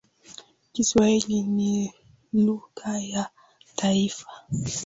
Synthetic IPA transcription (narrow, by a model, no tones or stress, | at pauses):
kiswahilini | luɣaja | tʰaifḁ